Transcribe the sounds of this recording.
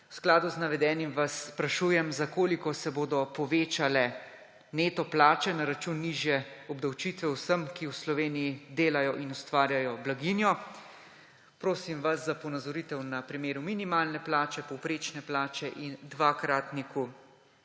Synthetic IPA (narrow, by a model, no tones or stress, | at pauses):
wsklaːd̪uznaʋɛd̪ɛːnimʋasːpɾaʃujɛmzakoːlikɔsɛboːd̪ɔpɔʋeːt͡ʃalɛ | neːt̪ɔplaːt͡ʃɛnaɾat͡ʃunːiʒjɛɔbd̪awt͡ʃiːt̪ʋɛwsəmkiwslɔʋeːnijid̪eːlajɔʔinust̪ʋaːɾjajɔblaɡinjɔ | pɾoːsimʋaszapɔnazɔɾiːt̪ɛwnapɾimeːɾuminimaːlnɛplaːt͡ʃɛpɔwpɾeːt͡ʃnɛplaːt͡ʃɛʔind̪ʋaːkɾat̪niku